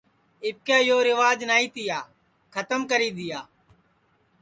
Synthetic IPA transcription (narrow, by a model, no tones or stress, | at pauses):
ɪp̚kjaːjoːɾɪʋaːd͡ʒnaːiːt̪ɪjaː | kʰət̪əmkəɾiːd̪ɪjaː